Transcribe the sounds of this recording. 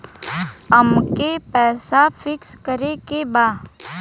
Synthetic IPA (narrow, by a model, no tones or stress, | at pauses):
əmkepɛːsafɪkskəɾekebaːd